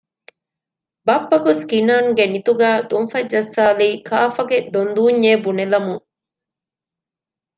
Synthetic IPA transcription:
bɐpːɐkuskinaːnɡenit̪uɡæːd̪unfɐd͡ʒːɐsːaːliːkʰaːfɐɡed̪ond̪uːɲːeːbunelɐmuŋ

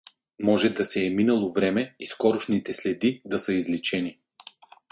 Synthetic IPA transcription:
mɔʒɛd̪ɐsɛːminɐlˠovɾɛmɛiskɔɾʊʃnit̪ɛslɛd̪id̪ɐsɤizlɛt͡ʃɛni

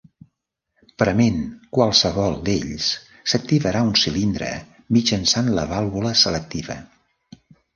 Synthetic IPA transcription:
pɾəmenkwalˠsəβɔlˠd̪ḛʎs | sək̚t̪iβəɾaunsilind̪ɾə̰ | mid͡ʒənsanlə̰βalˠβuləsələk̚t̪iβə̰

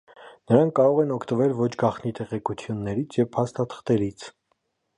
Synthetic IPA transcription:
nəɾɑŋkːɑɾɔʁɛnɔkʰt̪əvɛlvɔt͡ʃʰɡɑχnit̪ɛʁɛkut͡sʰjunːɛɾit͡sʰjɛvpʰɑst̪ɑt̪ʰə̥χt̪ɛɾit͡sʰ

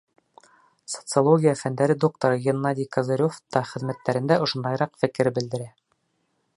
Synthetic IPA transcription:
so̥t̪sɨolˠoɡʲijafænd̪æɾɘd̪ok̚t̪oɾɤɡʲenːɑd̪ʲikɑzɤ̆ɾʲoft̪ɑχɘ̆ðmæt̪ːæɾɘ̆nd̪æʔŏʃŏnd̪ɑjɾɑqfɘ̆kɘɾbɘ̆ld̪ɘ̆ɾæ

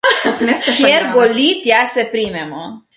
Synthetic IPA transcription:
meskjeɾboliːt̪jasɛpɾiːmɛmɔ

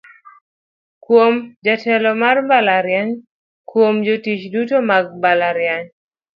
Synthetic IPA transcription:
kwomd͡ʒatɛlɔmarmbalaɾjaɲ | kwomd͡ʒotit͡ʃdutomaɡ̚mbalaɾjaɲ

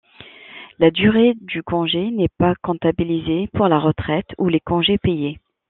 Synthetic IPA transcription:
lad̪yʁed̪ykɔ̃ʒenɛpakɔ̃t̪abilizepuʁlaʁət̪χɛt̪ulekɔ̃ʒepeje

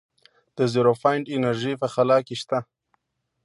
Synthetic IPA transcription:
d̪̥əziɾofajɳɖɪnaɾʒipəxalɑkeʃt̪a

